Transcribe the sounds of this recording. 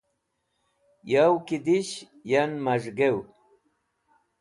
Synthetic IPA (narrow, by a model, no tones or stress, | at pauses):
jawkɪd̪ɪʃ | janmaʐɢew